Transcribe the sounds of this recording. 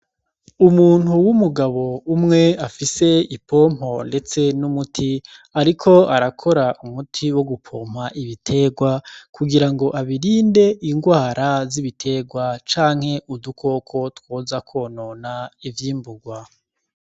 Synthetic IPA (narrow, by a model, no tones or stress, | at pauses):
umuːn̥huwumuɡaβo̞umŋe̞afise̞ipʰo̞ːm̥ho̞nde̞t͡se̞numutʰiaɾikʰo̞aɾakʰo̞ɾaʔumutʰiwo̞ɡupʰoːm̥haʔiβitʰe̞ɡwakʰuɡiɾaŋɡo̞ʔaβiɾiːnde̞ʔiŋɡwaːɾaziβitʰe̞ːɡwat͡ʃaːŋ̥he̞ʔudukʰo̞kʰo̞twoːzakʰo̞ːnoːnaivjiːmbuɡwa